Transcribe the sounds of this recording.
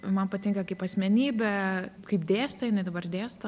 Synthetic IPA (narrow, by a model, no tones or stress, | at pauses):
mɐnpɐt̪ʲɪŋkɐkɐɪpɐsʲmʲɛnʲiːbʲɛkɐɪpd̪ʲeːst̪ɐjɪnɐɪd̪ɐbɐrd̪ʲeːst̪ɐ